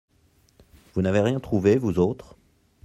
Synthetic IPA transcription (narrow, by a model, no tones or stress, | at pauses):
vunaveʁjɛ̃t̪χuvevuzot̪χ